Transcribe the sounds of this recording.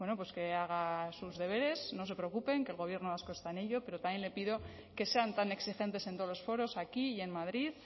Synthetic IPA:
we̞no̞pwe̞ske̞aɣ̞asuzðe̞β̞e̞ɾe̞sno̞se̞pɾeokupe̞ŋkeːlɣo̞β̞je̞ɾnoβaskoest̪aene̞ʎo̞pe̞ɾo̞t̪amje̞nle̞piðo̞ | ke̞se̞ant̪ane̞ksixe̞nt̪e̞sent̪o̞olo̞sfo̞ɾo̞sakije̞nmaðɾið

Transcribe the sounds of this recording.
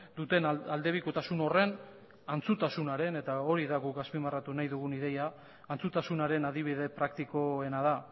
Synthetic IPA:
d̪ut̪e̞nald̪e̞β̞iko̞t̪asuno̞re̞n | ant͡sut̪asunaɾe̞ne̞t̪ao̞ɾiðaɣukɡaspimarat̪unajðuɣuniðe̞jaː | nt͡sut̪asunaɾe̞naðiβ̞iðe̞pɾak̚t̪iko̞e̞nað̞a

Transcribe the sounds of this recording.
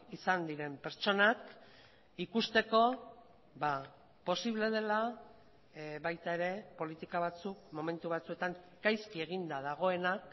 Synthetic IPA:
isand̪iɾe̞mpe̞ɾt͡ʃo̞nak | ikust̪e̞ko̞ | βa | po̞siβle̞ð̞e̞la | βajt̪ae̞ɾe̞po̞lit̪ikaβ̞at͡suk̚mo̞me̞nt̪uβ̞at͡sue̞t̪aŋ | kajskie̞ɣind̪að̞aɣ̞o̞e̞nak

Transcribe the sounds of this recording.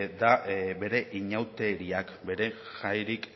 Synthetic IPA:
d̪abe̞ɾe̞ʔiɲawt̪e̞ɾiakbe̞ɾe̞ | ʝajɾik

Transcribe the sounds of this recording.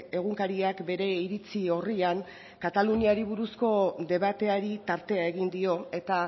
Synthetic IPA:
e̞ɣuŋkaɾiakbe̞ɾe̞iɾit͡sio̞riaŋ | kat̪aluniaɾiβ̞uɾusko̞d̪e̞β̞at̪e̞aɾit̪aɾt̪e̞ae̞ɣind̪io̞e̞t̪a

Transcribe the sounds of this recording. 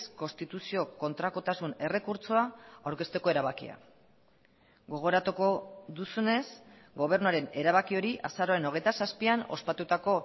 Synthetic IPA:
sko̞st̪it̪usio̞ko̞nt̪ɾako̞t̪asune̞re̞kuɾt͡soaawɾke̞st̪e̞ko̞e̞ɾaβakḭa̰ | ɡo̞ɣ̞o̞ɾat̪uko̞ðusune̞s | ɡo̞β̞e̞ɾnuaɾe̞ne̞ɾaβ̞akio̞ɾiʔa̰saɾoeno̞ɣ̞e̞jt̪asaspiano̞̰spat̪ut̪ako̞

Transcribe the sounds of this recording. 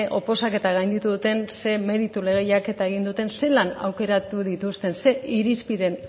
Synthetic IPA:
ʔo̞po̞sake̞t̪aɣ̞ajnd̪it̪uðut̪e̞nse̞me̞ɾit̪ule̞ɣ̞ejake̞t̪aeɣ̞ind̪ut̪e̞nse̞lana̰wke̞ɾat̪uðit̪ust̪e̞nse̞ʔiɾispiɾe̞n

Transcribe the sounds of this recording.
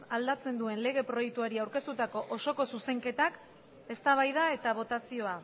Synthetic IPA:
ald̪at͡se̞nd̪ue̞nle̞ɣ̞e̞pɾo̞jek̚t̪uaɾiawɾke̞st̪ut̪ako̞ʔoso̞ko̞suse̞ŋke̞t̪ak | e̞st̪aβ̞ajðae̞t̪aβ̞o̞t̪asio̞a

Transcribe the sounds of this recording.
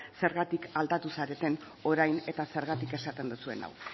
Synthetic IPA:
se̞ɾɣat̪ikald̪at̪usaɾe̞t̪e̞n | o̞ɾajne̞t̪ase̞ɾɣat̪ike̞sat̪e̞nd̪usue̞̰na̰w

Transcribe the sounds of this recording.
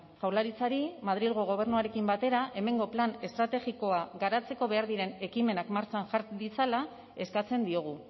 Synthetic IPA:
ʝawɾlaɾit͡saɾimað̞ɾilɣo̞ɣ̞o̞β̞e̞ɾnuaɾe̞kimbat̪e̞ɾaʔe̞me̞ŋɡo̞plane̞st̪ɾat̪e̞ɣiko̞aɣaɾat͡se̞ko̞βe̞aɾðiɾe̞ne̞kime̞nakmaɾt͡ʃanʝaɾd̪it͡sala | e̞skat͡se̞nd̪io̞ɣ̞u

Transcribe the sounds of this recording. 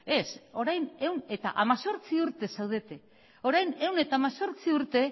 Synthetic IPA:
e̞so̞ɾajne̞wne̞t̪a̰ʔamaso̞ɾt͡siuɾt̪e̞sawð̞e̞t̪e̞ | o̞ɾajne̞wne̞t̪aːmaso̞ɾt͡siuɾt̪e̞

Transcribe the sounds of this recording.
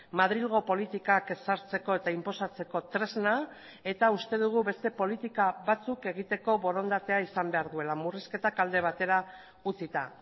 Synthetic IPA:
maðɾilɣ̞o̞po̞lit̪ikaksaɾt͡se̞ko̞e̞t̪aimpo̞sat͡se̞ko̞t̪ɾe̞zna | e̞t̪aust̪e̞ðuɣ̞uβe̞st̪e̞po̞lit̪ikaβat͡suke̞ɣ̞it̪e̞ko̞βo̞ɾo̞nd̪at̪e̞aisambe̞aɾðue̞lamuriske̞t̪akald̪e̞β̞at̪e̞ɾa | ut͡sit̪a̰

